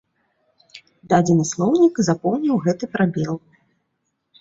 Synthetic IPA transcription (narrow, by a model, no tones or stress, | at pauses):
d̪ad͡zʲinɨslˠɔwnʲikzapɔwnʲiwɣɛt̪ɨpɾabʲɛlˠ